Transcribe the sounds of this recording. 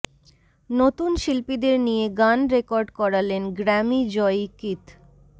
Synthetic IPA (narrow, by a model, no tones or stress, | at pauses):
not̪unʃilpid̪eɾnijeɡanɾekɔɾɖkɔɾalenɡɾɛmid͡ʑɔjkit̪